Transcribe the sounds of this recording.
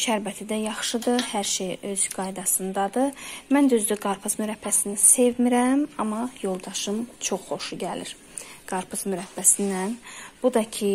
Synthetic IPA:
ʃæɾbæt̪ʰid̪æjɑχʃɯd̪ɯhæɾʃejø̞zɡɑjd̪ɑsɯnd̪ɑd̪ɯmænd̪yzd̪yɡɑɾpʰɯzmyɾæpʰːæsinise̞vmiɾæmɑmɑjo̞lˠd̪ɑʃɯmt͡ʃʰo̞χːo̞ʃuɟælḭɾ | ɡ̥ɑɾpʰɯzmyɾæpːæsind̪ænb̥ud̪ɑcʰi

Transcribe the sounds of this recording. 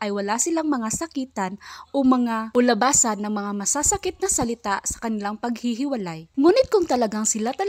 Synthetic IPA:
ʔɐjwɐlasɪlaŋmɐŋasɐkiːt̪anʔomɐŋaʊlɐbaːsɐnːɐŋmɐŋamɐsasɐkɪt̪̚nɐsɐlɪt̪asɐ̥kɐnɪlaŋpɐɡ̚hiɦɪwɐlajŋuːnɪt̪̚kʊŋt̪ɐlɐɡaŋsɪlat̪ɐ

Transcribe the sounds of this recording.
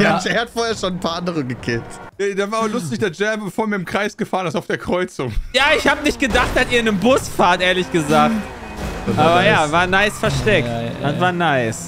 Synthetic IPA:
jḁɛhatfoːɐeːɐʃoːnnpʰaːʔandəʁəɡəkʰeːtedavaːɐɐlʊstɪçd̥eːɐd͡ʒɛbbəfoːɐmiːɐɪmkʁ̥aɪsɡ̥əfaːʁənɪstaʊfd̥eːɐkʁ̥ɔʏt͡sʊŋjaːɪçhaːbənɪçt̚ɡ̥ədaχt̚d̥asiːɐɪnəmbʊsfaːɐtʔeːɐlɪçɡ̥əzaːkt | ʔaːbɐjaːvaːɐnaɪsfɛɐʃtɛk̚tanvaːɐnaɪs

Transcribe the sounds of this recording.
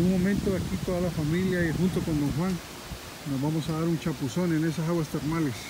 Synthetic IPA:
uŋmomẽnt̪oðeakit̪oðalafamiljaixunt̪okond̪oŋxwaŋ | nozβamosaðaɾunt͡ʃapusonenesasaɣwast̪eɾnales

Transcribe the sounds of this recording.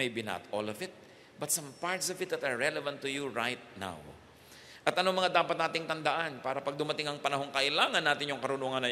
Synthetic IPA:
mejbinɐ̰t̪o̰lɔvɪt̪̚ | bɐt̪sɐ̃mpaɹt̪sɔvɪt̪̚d̪ɐt̪ɐɹːɛlɛvɐ̃nt̪ːʊjuɹajt̪̚na̰w | ʔɐt̪ʔɐnomɐŋad̪aːpɐt̪naːt̪ɪŋt̪ɐnd̪ɐʔanpaːɾɐpɐɡ̚d̪ʊmɐt̪ɪŋɐŋpɐnɐɦo̞ŋkɐʔɪlaːŋɐnːaːt̪ɪnjʊŋkɐɾʊnoːŋɐnːɐ

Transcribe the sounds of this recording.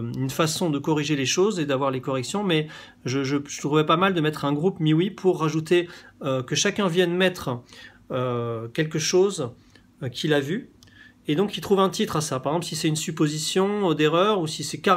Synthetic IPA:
ynfasɔ̃d̪əkɔʁiʒeleʃozed̪avwaʁlekɔʁɛksjɔ̃mɛ | ʒəʒəʒət̪χuvɛpamald̪əmɛt̪χɛ̃ɡʁupmiwipʰuʁːaʒut̪eøkəʃakʲɛ̃vjɛnmɛt̪χ | økʲɛlkəʃoz | kʲʰilavy | ed̪ɔ̃kilt̪χuvɛ̃t̪it̪χasapaʁɛɡzɑ̃plsisɛt̪ynsypozisjɔ̃d̪eʁœʁusisɛka

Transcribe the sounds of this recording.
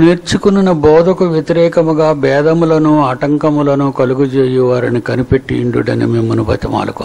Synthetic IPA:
neːɾt͡ʃukununɐbɔːd̪ɐkuʋjet̪iɾɛːkɐmuɡaːbɛːd̪ɐmulɐnuɐʈɐŋkɐmulɐnuːkɐluɡut͡ʃeːjuʋaːɾɐnikɐnipeʈːiiɳɖṵɖɐ̰nḭmemːɐnubɐ̰t̪ːima̰ːluko̰n

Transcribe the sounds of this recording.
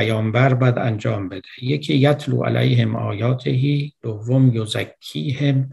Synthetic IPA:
æjɒːmbæɾbæd̪ænd͡ʒɒːmbe̞d̪ejekʰiːjæt̪ʰlṵːʔæ̰lʔæ̰jɦemʔɒ̰ːjɒːt̪ʰeɦiːd̪̥ovːomjozækʰːiːhem

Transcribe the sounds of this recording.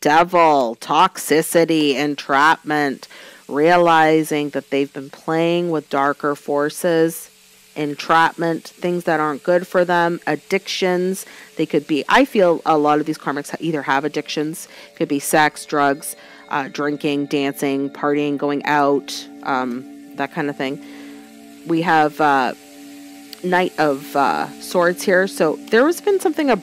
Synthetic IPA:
d̥ɛvl̩ˠtʰɑksɪsɨɾiɪ̃ntʰɹ̥æt̚mɨ̃ntɹiəlaɪzɪ̃ŋðɨt̪̚ðeɪvbɨ̃npʰl̥eɪɪ̃ŋwɪðdɑɹkə˞fɔɹsɪz | ʔɨ̃ntʰɹ̥æʔ̚mɨ̃nθɪ̃ŋzðɨɾɑɹnɡ̥ʊd̥fə˞ðə̃mɨdɪkʃɨ̃nz̥ðeɪkɨd̚biʔa̰ɪfilˠəlɔɾʌvðiz̥kʰɑɹmɨksʔiðə˞əvɨdɪkʃɨ̃nz̥kʰɨd̚bisɛksd̥ɹʌɡz̥ | ʔʌdɹɪ̃ŋkɪ̃ŋdæ̃nsɪ̃ŋpʰɑɹɾiɪ̃ŋɡoʊɪ̃ŋa̰ʊtʔʌ̃m | ðɨt̚kʰãɪ̃ndəθɪ̃ŋ | wiəvʌ | naɪɾʔʌv̥ʌ̰sɔɹtshiɹsoʊðə˞ɨzbɨ̃nsʌ̃mθɪ̃ŋɨ

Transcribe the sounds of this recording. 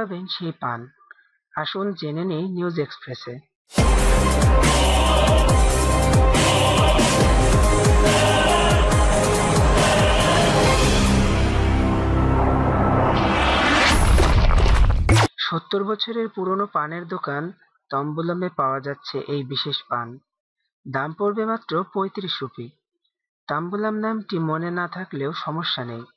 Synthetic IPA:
abenʃejpan | aʃund͡ʑenenejniuzekspɾese | ʃot̪ːoɾbɔt͡ɕʰoɾeɾpuɾonopaneɾd̪okan | t̪ɔmbulomepaoad͡ʑatːɕʰeʔejbiʃeʃpan | d̪ampoɾbemat̪ːɾopojt̪ɾiʃɾupi | t̪ambulamnamʈimonenat̪ʰakleoʃɔmoʃːanej

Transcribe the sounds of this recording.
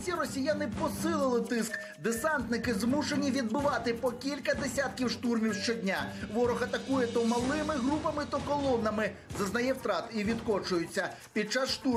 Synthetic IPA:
sʲirɔsʲijanɪpɔsɪlˠɪlˠɪt̪ɪsk | d̪esɑnt̪nɪkɪzmuʃenʲiʋʲid̪̚bɪʋɑt̪ɪpɔkʲilʲkɐd̪esʲat̪̚kʲiwʃt̪urmʲiwʃt͡ʃɔdʲnʲaʋɔɾɔxɐt̪ɐkujɛt̪ɔmɐlˠɪmɪɦɾupɐmɪt̪ɐkɔlˠɔnɐmɪzɐznɐjɛwt̪ɾɑt̪iʋʲid̪kɔt͡ʃʊjʊt͡sʲːɐ | pʲid̪̚t͡ʃasʃt̪u

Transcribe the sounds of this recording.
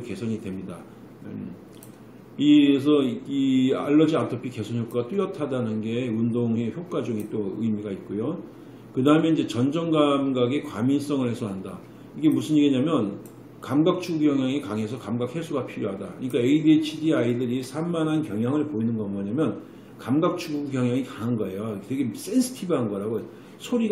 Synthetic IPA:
oke̞sʰʌɲidwe̞mɲida | is̬ʰʌia̰ɭːʌd͡ʑiatʰopʰike̞sʰʌnçjok͈aɡat͈ujʌtʰadanɯnɡe̞undoŋeçjok̚k͈ad͡ʑuŋit͈oɯjmiɡait̚k͈ojo | kɯdaɯmeind͡ʑe̞t͡ɕʌnd͡ʑʌŋɡamɡaɡe̞kwamins͈ʌŋɯɭhe̞sʰʌɦanda | iɡe̞musʰɯniɡeɲamjʌn | kamɡak̚t͡ɕʰuɡuɡjʌŋjaŋikaŋe̞s̬ʰʌkamɡak̚he̞sʰuɡapʰiɾjoɦadakɯɲik͈aeidet͡ɕʰidiaidɯɾisʰamːanɦankjʌŋjaŋɯɭpoinɯnɡʌmʌɲamjʌn | kamɡak̚t͡ɕʰuɡuɡɡjʌŋɦjaŋikaŋanɡʌe̞joteɡe̞s͈e̞nsʰɯ̥tʰibɯɦanɡʌɾaɡo | sʰoɾi

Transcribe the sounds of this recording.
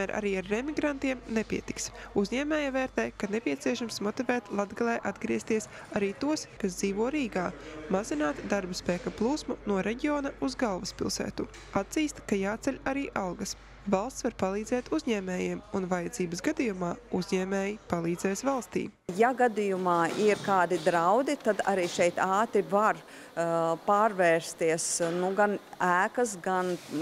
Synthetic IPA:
mæːɾʔa̰ɾiːaɾːɛmiɡɾant̪iɛmnepiɛt̪i̥ksuzʲɲɛːmɛːjavɛːɾt̪ɛːjkanepiɛt̪siɛʃamsmɔt̪ivɛːt̪lˠad̪ɡalʲˠɛːʔad̪ɡɾiɛst̪iɛs | aɾiːt̪uɔskasd̪ziːvuɔɾiːɡaːmazinaːt̪d̪aɾbɐspɛːkaplˠuːsmunuɔɾɛɟiɔːnauzɡalˠvɐspḭlˠsɛ̰ːt̪u | at̪ziːst̪kajaːt̪sɛʎʲaɾiːʔawɡɐs | valˠst̪svaɾpalˠiːd̪zɛːt̪uzʲɲɛːmeːjiɛmunvajɐd̪ziːbɐsɡad̪ijumaːuzʲɲɛːmeːjipalˠiːd̪zɛːsvalˠst̪ḭːjaɡad̪ijumɑːiɾkaːd̪id̪ɾawd̪it̪ad̪a̰ɾiːʃɛjt̪aːt̪ɾivaɾ | paːɾvɛːɾst̪iɛəsnuɡanæːkɐsɡan

